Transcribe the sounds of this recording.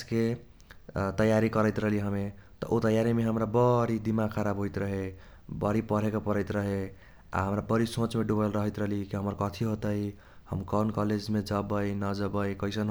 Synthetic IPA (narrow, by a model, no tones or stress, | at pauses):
ske | t̪ʌjaɾikʌɾəjt̪ɾʌɦliɦəmet̪ʌ̰ʔot̪ʌjaɾimeɦəmɾabʌɾid̪imakʰaɾabʱɦojt̪ɾʌɦe | bʌɾipʌɽ̤ekapʌɾʌjt̪ɾʌɦe | a̰ɦəmɾabʌɾisõt͡ʃmeɖubəlɾʌɦəjt̪ɾʌlikiɦəmʌɾkʌt̪ʰiɦot̪ʌi | hʌmkɔnkɔled͡ʒmed͡ʒʌbəjnʌd͡ʒʌbəjkʌjsʌn